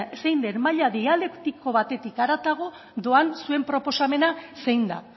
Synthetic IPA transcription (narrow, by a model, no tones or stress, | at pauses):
se̞jnd̪eɾmaʎaðiale̞kt̪ikʰo̞βat̪e̞t̪ikaɾat̪aɣ̞o̞ | d̪o̞ansue̞mpɾo̞po̞same̞nase̞jnd̪a̰